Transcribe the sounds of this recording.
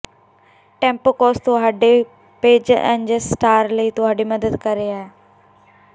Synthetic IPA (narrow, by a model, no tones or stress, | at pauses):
ʈɛ̃ːmpokɔːst̪oɦaːɖe | peːd͡ʑɛ̰̃nd͡ʑəsʈaːɾləit̪oɦaːɖimɐd̪əd̪kɐɾeaːɦe